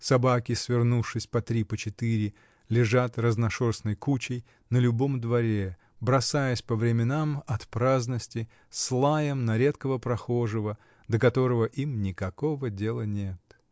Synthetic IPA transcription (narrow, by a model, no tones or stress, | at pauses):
sɐbakʲɪsvʲɪrnufʂɨsʲpɐt̪ɾʲipət͡ɕɪt̪ɨɾʲɪ | lʲɪʐat̪rəznɐʂorsnəjkut͡ɕɪj | nəlʲʊbo̞md̪vɐɾʲe | bɾɐsajəsʲpəvɾʲɪmʲɪnamɐt̪pɾaznəsʲtʲɪ | slˠajəmnɐɾʲe̞t̪kəvəpɾɐxo̞ʐɨvə | d̪əkɐt̪o̞ɾəvəʔimnʲɪkɐko̞vədʲe̞lˠənʲet̪